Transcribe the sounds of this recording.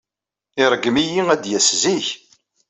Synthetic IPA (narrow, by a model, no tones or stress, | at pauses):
iɾˤəɡːəmijiæd̪jæsziç